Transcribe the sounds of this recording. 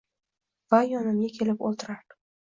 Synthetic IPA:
vajɒnɪmɡʲakʲʰe̞lɪpolˠt̪ʰɪɾaɾd̪ɪ

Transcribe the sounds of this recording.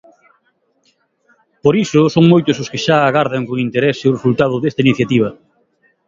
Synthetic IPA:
poɾisʊsoŋmojt̪ʊsʊskɪʃaaɣaɾðɐŋkoŋint̪eɾeseʊresult̪að̞ʊðest̪ainiθjat̪iβ̞ɐ

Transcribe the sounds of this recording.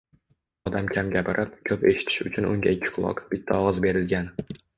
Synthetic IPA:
ɒd̪amkʲʰamɡʲapɪɾʔap̚kʲʰɵpe̞ʃɪ̥t̪ʰɪ̥ʃʊt͡ʃʰʊnʊ̰ŋɡʲa̰ɪkʲʰːɪ̥qʰʊlˠɒ̰qb̥ɪt̪ʰːaɒʁɒzbe̞ɾɪlɡʲan

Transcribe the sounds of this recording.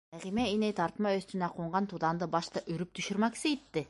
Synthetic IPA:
æʁimæinejt̪ʰɑɾt̪mɑøst̪ynæqʰuɴʁɑnt̪ʰud̪ɑnd̪ɯbɑʃt̪ɑʔyɾyp̚t̪ʰyʃyɾmɑksit̪ːɪ

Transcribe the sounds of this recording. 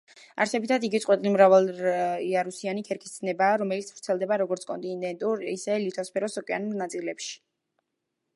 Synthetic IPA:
a̰ɾsɛbit̪ʰad̪iɡit̪sʼwɛt̪ʼilimɾavalˠiaɾusianikʰɛɾkʰi̥st̪nɛbaːɾɔmɛlit̪sʰv̥ɾt̪sʰɛlˠd̪ɛbaɾɔɡɔɾt̪sʰkʼɔ̰nt̪ʼind̪ɛnt̪ʼuɾisɛlit̪ʰɔspʰɛɾɔsɔkʼɛanulˠnat̪sʼilɛpʃi̥

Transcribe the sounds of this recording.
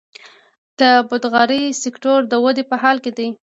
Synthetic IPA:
d̪̥əbʊd̪ɣɑɾisɪkʈoɾd̪əwad̪epəhɑlked̪ij

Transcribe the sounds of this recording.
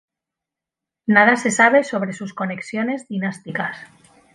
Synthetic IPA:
nað̞ase̞saβ̞e̞so̞β̞ɾe̞susko̞ne̞ksjo̞ne̞zðinast̪ikas

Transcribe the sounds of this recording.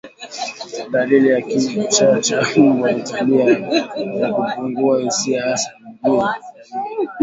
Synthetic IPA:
dalilijakiit͡ʃat͡ʃawaitaliajakupuŋɡuaisiaasḁiɓui

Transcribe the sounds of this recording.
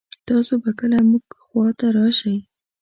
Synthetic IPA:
t̪ɑsobakəlamuɡxwɑt̪aɾɑʃaj

